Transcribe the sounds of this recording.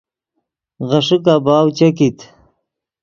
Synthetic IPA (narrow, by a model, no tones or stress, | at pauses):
ɣɐʂik̬abaːwt͡ɕɐkit̪